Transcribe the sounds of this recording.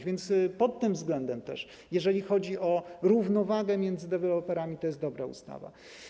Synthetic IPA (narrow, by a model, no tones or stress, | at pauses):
vʲjɛnt̪spɔt̪ːɘmvzɡlɛnd̪ɛmt̪ɛ̰ʂ | jɛʐɛlʲixɔd͡ʑiʔɔɾuvnɔvaɡɛmʲjɛnd̪zɘd̪ɛvɛlɔpɛɾamʲit̪ɔjɛst̪d̪ɔbɾaṵst̪a̰va̰